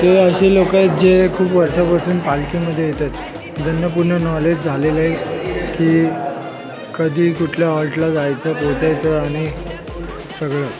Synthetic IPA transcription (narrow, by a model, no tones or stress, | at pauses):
t̪eɾəɕiːlokat̪̚d͡ʑekʰuːpʋəɾsapasuːnpalkiməd̪ʱːjejet̪at̪ | d̪ʱənjəpuɾnənɔled͡ʑd͡zʱaleləɦikiː | kəd̪ʱiːkuʈʰljaɦɔlʈlad͡zajt͡səpot͡sajt͡səaɽ̃i | səɡɭə